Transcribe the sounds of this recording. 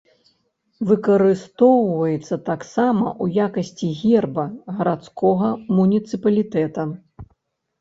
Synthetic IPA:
vɨkɐɾɨst̪ɔwvɐjɛt̪sːɐt̪aksamɐ̰ʔujakɐsʲt͡sʲiɣʲɛrbɐɣɐɾat̪skʰɔɣɐmunʲit̪sɨpɐlʲit̪ɛt̪ɐ

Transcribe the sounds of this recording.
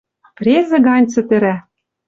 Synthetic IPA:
prʲezɘ̆ɡɑnʲt͡sɘ̆t̪ɘ̆ɾæ

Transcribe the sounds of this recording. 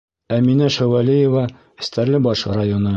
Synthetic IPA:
æminæʃæwælʲijevɑ | ɘ̆st̪æɾlɘbɒʃrajonɤ

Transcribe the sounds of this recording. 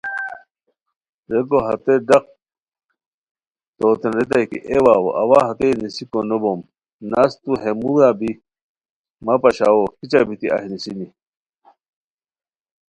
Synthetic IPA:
ɾekoɦɐt̪eɖɐq̚ | t̪oːt̪enɾet̪̬ajkḭʔewaːwo̰ʔɐwaɦɐt̪enisikonobom | nast̪uɦemuwaːbi | mɐpɐɕawokit͡ɕabit̪ia̰hinisini

